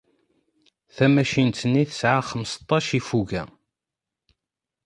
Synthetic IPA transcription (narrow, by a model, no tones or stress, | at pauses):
θæmæʃint̪ənːiθə̥sʕaχəmst̪ˤːɑʃifuʝæ̰